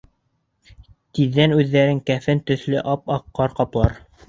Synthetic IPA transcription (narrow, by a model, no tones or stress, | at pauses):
t̪iðːænʉðːæɾɘŋkæfɘnt̪ɵ̆θlɵʔɑpɑqːɑɾqɑplˠɑɾ